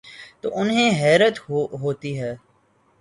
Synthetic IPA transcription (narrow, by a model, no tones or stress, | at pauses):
t̪o̰ːʔʊnɦẽːɦɛːɾət̪ɦoːt̪iːɦɛː